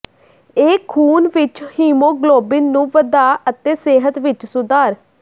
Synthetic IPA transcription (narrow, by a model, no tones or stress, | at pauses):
eːkʰuːnʋɪt͡ʃhiːmoːɡloːbɪnːũːʋəd̪aːət̪eːseːɦət̪ʋɪt͡ʃsʊd̪aːɾ